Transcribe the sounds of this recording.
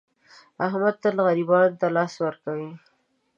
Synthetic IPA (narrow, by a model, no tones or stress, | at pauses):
aɦmad̪̚t̪alɣaɾibɑnt̪alɑswəɾkawi